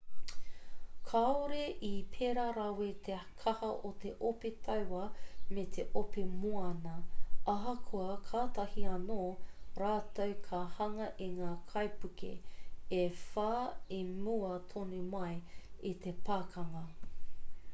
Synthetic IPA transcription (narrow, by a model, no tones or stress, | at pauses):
kʰaoɾeʔipʰeɾaɾawet̪ʰekʰɐhɐʔot̪eʔopet̪ʰɐwwɐmet̪ʰeʔopemoɐnɐʔɐɦɐkʰuɐkʰaːt̪ɐhiɐnoːɾaːt̪owkʰahɐŋɐʔiŋaːkʰɐjpukʰḛefaːemuɐt̪ʰonumɐjit̪ʰepaːkʰɐŋɐ